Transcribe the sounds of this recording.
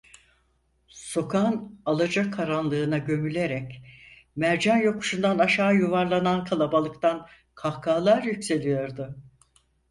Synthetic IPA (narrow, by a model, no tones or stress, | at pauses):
so̞kʰanalˠad͡ʒakʰaɾanlˠɯːnaɟø̞mylʲe̞ɾɛc | mæɾd͡ʒanjo̞ku̥ʃund̪anaʃaːjuvaɾlˠanankʰalˠabalˠɯk̚t̪an | kʰahkʰaːlˠaɾjycse̞lʲijo̞ɾd̪ʊ